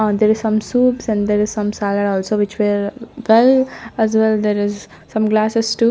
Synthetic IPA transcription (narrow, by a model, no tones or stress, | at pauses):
d̪eːɾɪz̥sʌ̃msuːpsɛ̃ɳɖd̪eɾɪz̥sʌ̃msaləɖɔːlsoːʋɪt͡ʃʋeɾʋɛlæzʋɛld̪eːɾɪz | sʌ̃mɡlaːsɪsʈu